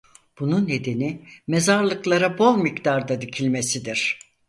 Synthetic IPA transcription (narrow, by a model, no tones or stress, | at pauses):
b̥ununːe̞d̪enimezaɾlˠɯklˠaɾabolˠmikd̪aɾd̪ad̪icʰilʲme̞sid̪iɾ̥